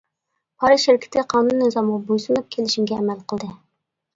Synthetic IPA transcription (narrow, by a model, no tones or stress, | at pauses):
pʰɑɾɨʃɪɾkʲʰɪ̥t̪ɪqʰɑːnunːɨzɑmʁɑbojsunup̚kʲʰelɪʃimɡʲɛːmælqʰəlˠd̪ɨ